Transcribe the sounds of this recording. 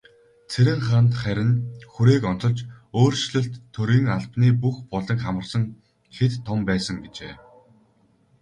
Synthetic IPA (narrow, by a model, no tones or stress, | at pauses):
t͡sʰeɾʲɘ̆ŋχant̪χæɾʲɪ̆nxuɾeːkɔn̥t͡sɞ̆ɮt͡ɕoːrʃɮɵ̆ɬt̪ʰːɵɾiːŋaɮpniːpuxpɔɮə̆kχamə̆rsə̆ŋ | xet̪ʰːɔmpæːsə̆ŋɡet͡ɕḛː